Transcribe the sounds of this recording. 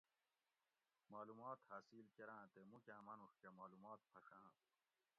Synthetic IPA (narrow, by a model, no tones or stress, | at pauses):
maːlumaːt̪haːsiːlkeɾãːt̪emukʲãːmɐnuʂkemaːlumaːt̪̚pʰɐʂãː